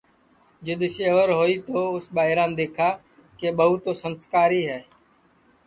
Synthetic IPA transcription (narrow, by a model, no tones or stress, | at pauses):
d͡ʒɪd̪ʃeːʋəɾɦoːiːt̪oːʊsɓaːɦɪɾãːnd̪eːkʰaː | keːɓəɦʊːt̪oːsənskaːɾiːɦɛː